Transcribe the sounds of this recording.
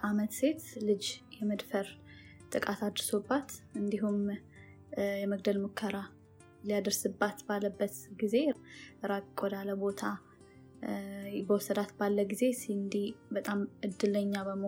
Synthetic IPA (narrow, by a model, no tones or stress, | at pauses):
ʔamət̪se̞t̪lɨd͡ʒjɛməd̪fəɾ | t̪ʼɨkʼat̪ad̪ɾsobːat̪ɨnd̪iɦum | jɛməɡ̚d̪əlmukʰːəɾa | lijad̪əɾsɨbːat̪balːəbːət̪ɡize̞ɾakkʼod̪aləbo̞t̪ʰa | bəwɔsəd̪at̪balːəɡize̞siɨnd̪ihbət̪ʼamɨd̪ːɨləɲːaβəmo